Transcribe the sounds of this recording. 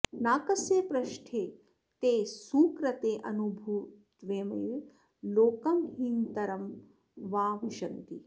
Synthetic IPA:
naːkɐsjeːpɾɐʃʈʰeː | t̪eːsuːkɾɐt̪eːʔɐnubʱuːtt̪ʋeːmɐ̰ju | loːkɐmhint̪ɐɾɐm | ʋaːʋiʃɐnt̪i

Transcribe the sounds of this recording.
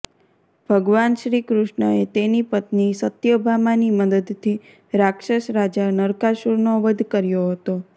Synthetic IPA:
bʱəɡʋanʃɾikɾʊʃɳəet̪enipət̪nisət̪jəbʱamaniməd̪əd̪t̪ʰːi | ɾakʃəʃɾad͡ʒanəɾkaʃuɾnoʋəd̪ʱkəɾjoɦət̪o

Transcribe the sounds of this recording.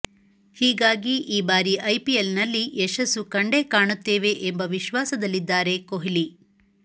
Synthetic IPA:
hiːɡaːɡiʔiːbaːɾiʔɐjpielnɐlːiʔɛʃɐsukɐɳɖe̞kaːɳut̪ːe̞ːʋe̞ʔembɐʋiʃʋaːsɐd̪ɐlːid̪ːaːɾe̞koɦili

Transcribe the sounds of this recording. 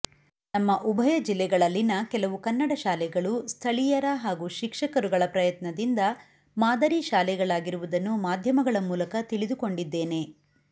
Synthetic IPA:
nɐmːɐʔubʱɐjɐd͡ʒilːɛɡɐɭɐlːinɐkɛlɐʋukɐnːɐɽɐʃaːlɛɡɐɭust̪ʰɐɭijɐɾɐɦaːɡuʃikʂɐkɐɾuɡɐɭɐpɾɐjɐt̪nɐd̪ind̪ɐ | maːd̪ɐɾiʃaːlɛɡɐɭaːɡiɾuʋud̪ɐnːumaːd̪ʱjɐmɐɡɐɭɐmuːlɐkɐt̪iɭid̪uko̞ɳɖid̪ːe̞ːne̞

